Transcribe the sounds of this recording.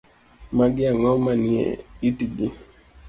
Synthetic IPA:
maɡiaŋɔmaniɛ̰itiɡi

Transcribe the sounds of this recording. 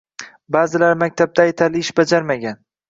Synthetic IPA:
baːzɪlaɾmak̚ʲt̪ʰab̚d̪ʰaːjt̪ʰalɪɪʃbad͡ʒaɾmaɡʲan

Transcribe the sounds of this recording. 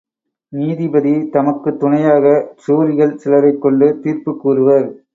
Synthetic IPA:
niːðɪbɐðit̪ɐmɐkːɯt̪ːʊɳɐjaːɣɐsuːɾɪɣɐɭsɪlɐɾɐɪkːɔɳɖɯt̪iːrpɯkːuːrɯʋɐɾ

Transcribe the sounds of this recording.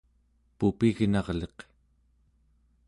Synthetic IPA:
pupiɣnɑʁle̞q

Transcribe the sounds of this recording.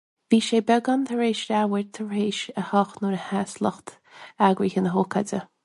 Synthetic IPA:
viːʃeːbɛɡant̪ʰəɹeːʃɾawəɹt̪ʰəɹeːʃəhɔxnɔɾəhasləxt̪ | aɡɾiːxənəɦoːkʰadə

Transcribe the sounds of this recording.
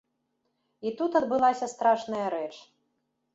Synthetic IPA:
it̪ut̪ɐd̪bɨlˠasʲɐst̪ɾaʂnɐjɐɾɛt͡ʂ

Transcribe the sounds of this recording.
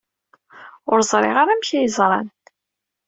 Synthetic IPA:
ʊɾzˤɾˤḛʁaɾamçijəzˤɾˤɑ̰n

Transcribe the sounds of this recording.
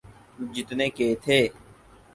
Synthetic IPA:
d͡ʒɪt̪nẽːkeːt̪ʰeː

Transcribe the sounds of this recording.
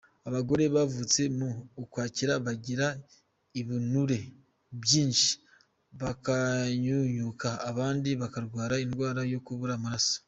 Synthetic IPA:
aβaɡo̞ɾe̞βavut͡se̞muːkwaːciɾaβaɟiɾa | iβinuɾe̞ | βjiːnʃi̥ | βakaɲuɲukaːβaːndiβakaɾɡwaːɾaindɡwaːɾajo̞kuβuɾamaɾaso̥

